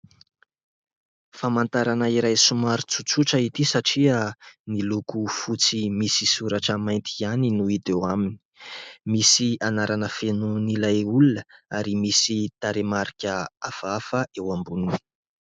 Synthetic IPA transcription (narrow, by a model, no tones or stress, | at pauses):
famant̪aɾanaiɾajsumaɾut͡sut͡suʈ͡ʂəit̪isaʈ͡ʂiənilukufut͡simisisuɾaʈ͡ʂəmajnt̪ʰianinuid̪ewamini̥misianaɾanəfenunilajulunəaɾimisit̪aɾemaɾikʲəafafəʔewambuni̥